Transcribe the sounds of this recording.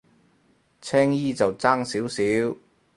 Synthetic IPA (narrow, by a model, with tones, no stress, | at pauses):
t͡sʰɛː˥ŋjiː˥t͡sɐ˨wt͡saː˥ŋsiː˨˥wsiː˨˥w